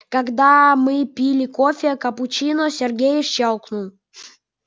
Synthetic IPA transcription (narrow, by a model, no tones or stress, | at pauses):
kaɡd̪amɨpʲilʲikofʲɪəkɐput͡ɕinosʲerɡʲejɪʃt͡ɕːɑlˠknulˠ